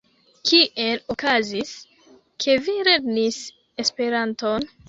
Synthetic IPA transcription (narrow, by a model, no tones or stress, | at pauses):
kʰiʔe̞lokazis | kʰe̞viɾe̞ɡnis | e̞spe̞ɾanto̞n